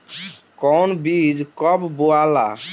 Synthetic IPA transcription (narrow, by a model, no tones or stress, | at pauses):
kɔwnbid͡ʒkɔbboala̰